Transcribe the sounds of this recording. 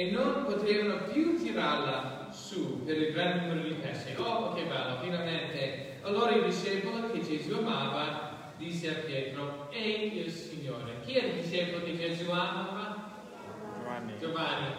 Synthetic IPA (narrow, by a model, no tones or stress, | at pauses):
enːonpot̪ɾevanopjut̪iɾaɾla | supeɾilɡɾandnumeɾod̪ipɛseopokevalːofinalment̪e | alːoːɾaild̪iʃɛpolokʰed͡ʒezuamaːva | d̪isːeapjɛːt̪ɾo | ɛilsiɲːoːɾek̟iɛd̪d̪iʃɛpoloked͡ʒezuamaːva | d͡ʒovani